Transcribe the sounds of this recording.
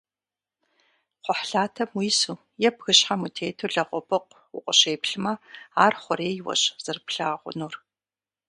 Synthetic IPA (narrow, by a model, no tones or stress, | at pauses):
qʷɔħɬaːtʰɐmwiːsuː | jɛpxɨɕħamutʰeːtʰuɮɐqʷʼɔpʰɨqʷ | wʊ̰qʷʼɔɕeːpɬɨmɐaːrχʷɔɾeːjwɐ̰ɕz̥ɨrpɬaːʁʷʊ̰nuːr